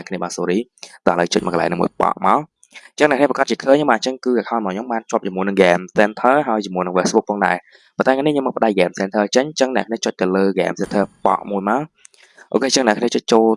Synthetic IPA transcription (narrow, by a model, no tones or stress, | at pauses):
ɛkʰniəɓaːnsoːɾiːt̪ɑhələt͡ɕəc̚mɔkəla̰ɛnɨːmṵəjpɑ̰ʔmaɔ | ɲt͡ɕəŋnɛ̰kniəpakat̪̚t͡ɕiəkʰəːɲːomɓaːnt͡ɕəŋkɨːɡakʰaːnmaːɲomɓaːnt͡ɕŏəp̚t͡ɕimuəjnɨŋɡɛmsɛnt̪ʰəːɦaəjt͡ɕimuənɨŋʋɛsɓuk̚pʰɔːŋɗa̰ɛ | pont̪aɛŋaniɲoməːpə̆ɗaj̚ɡɛːmsɛnt̪ʰəːt͡ɕəɲt͡ɕəŋnɛ̰̆əkʰniət͡ɕoc̚t̪ɨwləːɣɛ̰ːmsɛnt̪ʰəːpɑ̰ʔmuəjmaɔ | ʔoːkeːt͡ɕəŋnɛ̰kʰniət͡ɕoc̚t͡ɕoːl